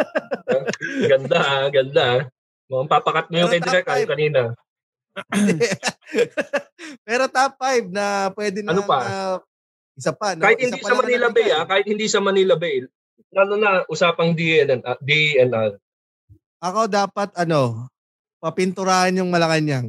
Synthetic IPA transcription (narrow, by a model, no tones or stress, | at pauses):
ɡɐnd̪aʔaɡɐnd̪a | mɐɐmpaːpɐkɐt̪̚mojʊŋkɐjɪɐɾɛkaːjokɐniːnɐ | pɛːɾot̪apːajb̚nɐpwɛːd̪ɪnɐnopɐɐ | ʔɪsɐpɐnkaːhɪt̪̚hɪndɐiːsɐɐmɐnilɐbɛjakaːhɪt̪̚hɪnd̪iːsɐmɐniːlɐbɛj | laːlonɐʔʊsaːpɐŋd̪iɛd̪iɛnd̪aɾ | ʔɐkod̪aːpɐt̪̚ɐno̞ | pɐpɪnt̪ʊɾaːhɐnjʊŋmɐlɐkɐɲaŋ